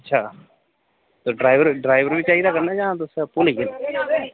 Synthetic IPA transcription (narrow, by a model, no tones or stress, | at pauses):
ətːʃʰaː | t̪oːɖɾaːiʋəɾɖɾaːɪʋəɾbiːt͡ʃaːiːd̪aːkəɾnaːd͡ʒãːãt̪osɛpʊliɡen